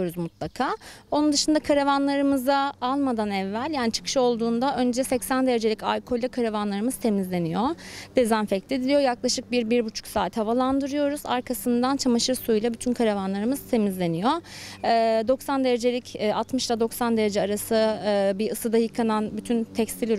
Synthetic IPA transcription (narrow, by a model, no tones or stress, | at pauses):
oɾuzmut̪lˠakʰaːo̞nund̪ɯʃɯnd̪akʰaɾavanlˠaɾɯmɯzaalˠmad̪anɛvːælʲjaːnit͡ʃʰɯ̥kʰɯ̥ʃo̞lˠd̪uːnd̪aʔønd͡ʒɛsɛcsænd̪eɾe̞d͡ʒe̞lʲica̰lʲkʰo̞lʲːakʰaɾavanlˠaɾɯmɯz̥t̪ʰe̞mizlʲe̞nijod̪̥e̞zænfɛclʲed̪ilʲijo̞jaklˠaʃɯk̚biɾbiɾbut͡ʃʰu̥ksaːt̪ʰhavalˠand̪ɯɾɯjo̞ɾuza̰ɾkʰasɯnd̪ant͡ʃʰamaʃɯɾsujlˠabyt̪ʰynkʰaɾavanlˠaɾɯmɯz̥t̪ʰe̞mizlʲe̞nijoː | d̪o̞ksand̪e̞ɾe̞d͡ʒe̞lʲicːat̪mɯʃlˠad̪o̞ksand̪e̞ɾe̞d͡ʒɛaɾasɯbiɯsɯd̪ajɯkʰananbyt̪ʰynt̪ʰɛcst̪ilʲiɾ